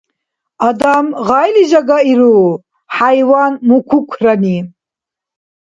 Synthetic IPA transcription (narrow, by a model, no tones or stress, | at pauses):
ad̪amʁajliʒaɡaiɾu | ħajwanmukʷʰukʷʰrani